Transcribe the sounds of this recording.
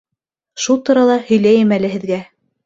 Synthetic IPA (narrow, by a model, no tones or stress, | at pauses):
ʃulˠt̪uɾɑlˠɑhɵ̆jlæjɘmælɘ̆hɘ̆ðɡæ